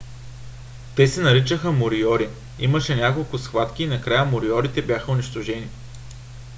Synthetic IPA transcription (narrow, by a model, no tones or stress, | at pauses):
t̪ɛsɛnɐɾit͡ʃəxəmʊɾiɔɾi | ḭməʃɛnʲakolˠkʊsxvat̪kʲiːnɐkɾajəmʊɾiɔɾit̪ɛbjaxəʊniʃt̪ʊʒɛni